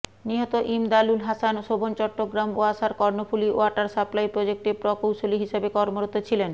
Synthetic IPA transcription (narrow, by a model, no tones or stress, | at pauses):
niɦot̪oʔimd̪alulɦasanʃobʱont͡ɕɔʈːoɡɾamoaʃaɾkɔɾnofuliʔo̰aɾʈaɾʃaplaipɾod͡ʑek̚ʈepɾɔkowʃoliɦiʃabekɔɾmoɾot̪ːot͡ɕʰilen